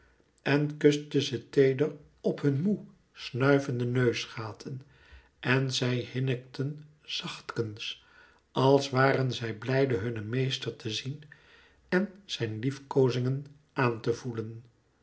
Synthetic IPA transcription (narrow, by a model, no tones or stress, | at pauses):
ʔɛnkɵstəzətejdər | ɔpɦɵnmu | snœɥvəndənøɥsχaːtʰən | ʔɛnzɛjhɪnək̚tən | z̥ɑχtkəns | ɑlˠsʋaːrənzɛjblɛjdəɦɵnəmejstəɹtəzin | ɛnz̥ɛjnlifkowzɪŋən | ʔaːntəvulən